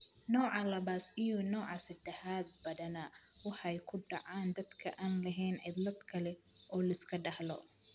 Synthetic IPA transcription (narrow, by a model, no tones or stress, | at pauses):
nɔːʕɑlɐβaːsɪjɔnɔːʕɑsɐd̪ɛħaːd̪̚bɐðɐnawɑħjkʰʊɖɑʕɑːnd̪ɐd̪kʰɐʔaːnlɐɦɛjnʕɪd̪lɐd̪kʰɐlɛʔɔːlɐɪskʰɐɖɑhlɔ